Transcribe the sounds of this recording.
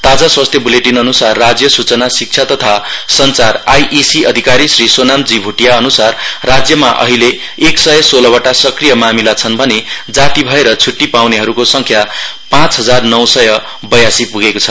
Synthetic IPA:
t̪ad͡zaswast̪ʰjʌbuleʈinʌnusarːad͡zjʌsut͡sʌnasik̚t͡sʰjat̪ʌt̪ʰasʌnt͡sarajʔisiʌd̪ʱikaɾisrisonamd͡zibʱuʈijaʌnusarːad͡zjʌmaʔʌ̰ɦileː | ksʌjʌsolʌbʌʈasʌkrijʌmamilat͡sʰʌnbʱʌned͡zat̪ibʱʌeɾʌt͡sʰuʈːipawneɦʌɾukosʌŋkʰja | pãt͡sɦʌd͡zarnʌwsʌjʌ | bʌjasipuɡekot͡sʰʌ̥

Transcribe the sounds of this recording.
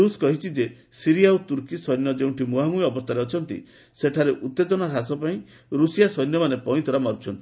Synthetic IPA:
uskɔɦit͡ʃʰid͡ʒe | siɾiaut̪uɾkisɔjnjɔd͡ʒeũɳʈʰimuɦaŋujɔbɔst̪ʰaɾeɔt͡ʃʰɔnt̪ḭ | seʈʰaɾeʔut̪ːed̪ɔnɔɾasɔpaĩ | ɾusijasɔjnjɔmanepɔĩt̪ʰɔɾamɔɾt͡ʃʰɔnt̪i

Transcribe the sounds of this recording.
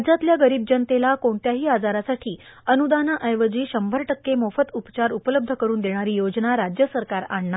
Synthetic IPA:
d͡zat̪ljaɡəɾiːb̚d͡ʑənt̪elakoɳt̪jaɦiːad͡zaɾasaʈʰiːənud̪anaʔəjʋəd͡ʑiːɕəmbʱəɾʈəkːemofət̪upt͡ɕaɾupələb̚d̪ʱəkəɾuːnd̪eɽ̃aɾiːjod͡znaɾad͡ʑjəsəɾkaɾaɳɳa

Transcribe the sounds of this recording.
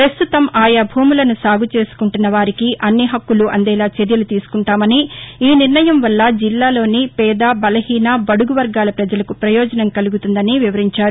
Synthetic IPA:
pɾɐst̪ut̪ɐmaːjabʱuːmulɐnusaːɡut͡ʃe̞ːsu̥kuɳʈunːɐʋaːɾikiʔɐnːiɦɐkːuluʔɐnd̪ɛːlaːt͡ʃeɾjɐlut̪iːsu̥kuɳʈaːmɐniːniɾnɐjɐmʋɐlːɐd͡ʒilːaːlo̞ːnipɛːd̪aːbɐlɐɦiːnabɐɽuɡuʋɐɾɡaːlɐpɾɐd͡ʒɐlɐkupɾɐjɔːd͡ʒɐnɐmkɐluɡut̪und̪ɐniʋiʋɐɾiɲt͡ʃaːɾu

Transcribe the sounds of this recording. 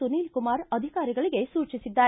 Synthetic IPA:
uniːlkumaːɾɐd̪ʱikaːɾiɡɐɭiɡe̞suːt͡ʃisid̪ːaː

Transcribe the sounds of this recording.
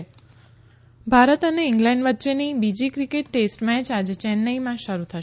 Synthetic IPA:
bʱaɾət̪əneɪŋɡlɛ̃ɳɖʋətːʃenibid͡ʒikɾikeʈ̚ːesʈmɛt͡ʃad͡ʒet͡ʃɛnːəimãʃəɾut̪ʰəʃ

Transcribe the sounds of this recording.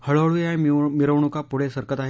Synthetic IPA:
həɭʋɭujamiɾəʋɳukapuɽ̤esəɾkət̪aɦe

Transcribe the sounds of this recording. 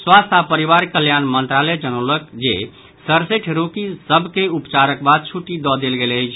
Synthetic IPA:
swast̪ʰapəɾiβaɾkəljanmənt̪ɾalɛd͡ʒənələkd͡ʒe | səɾseʈʰɾokisəbʱkeupt͡ʃaɾəkbad̪̚t͡ʃʰuʈid̪ɔd̪elɡeləjt͡ʃʰ

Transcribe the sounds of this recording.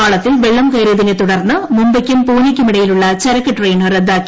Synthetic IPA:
aːɭɐt̪ːilʋeɭːɐmkɐjɾjɐðinet̪uɽɐrnːɨmumbɐkʲːumpuːnikʲːumiɽɐjiluɭːɐt͡ɕɐɾɐkːɨʈrejnɨred̪ːaːkːi̥

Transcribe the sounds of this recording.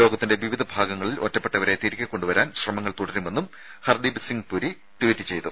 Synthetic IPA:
o̞ːɡɐt̪ːinde̞ʋiʋid̪ʱɐbʱaːɡɐŋːɐɭilotːɐpːeʈːɐʋɐɾe̞t̪iːɾkʲːɐkːo̞ɳɖuʋɐɾaːnɕrɐmɐŋːɐɭt̪oɽɐɾume̞nːum | hɐrd̪ibsiŋɡpuɾi | ʈuwitːɨt͡ɕe̞jt̪u

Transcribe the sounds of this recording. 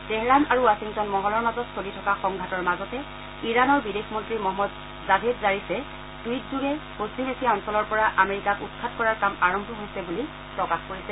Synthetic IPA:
teɦɹanaɹuwasiŋtɔnmɔɦɔlɔɹmazɔtsolitʰɔkaxɔŋɡʱatɔɹmazɔtɛ | iɹanɔɹbidexmɔntɹimɔɦɔmɔd | zadʱedzaɹisɛ | d̥uit̚zuɡɛpostimesiɔnsɔlɔɹpɔɹaʔameɹikakutkʰatkɔɹaɹkamaɹɔmbʱɔɦojsɛbuli | pɹɔkaxkoɹisɛ

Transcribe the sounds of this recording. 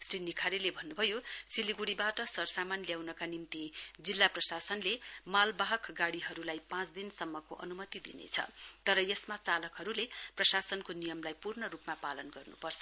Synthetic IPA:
srinikʰaɾelebʱʌnːubʱʌjosiliɡuɽibaʈʌsʌrsamanljawnʌkanimt̪id͡zilːaprʌsasʌnlemalbaɦʌkɡaɽiɦʌɾulajpãt͡sd̪insʌmːʌkoʔʌ̰numʌt̪id̪ḭnḛt͡sʰʌ̰t̪ʌɾʌjesmat͡salʌkɦʌɾuleprʌsasʌnkonijʌmlajpurnʌɾupmapalʌnɡʌrnṵpʌrt͡sʰʌ̥

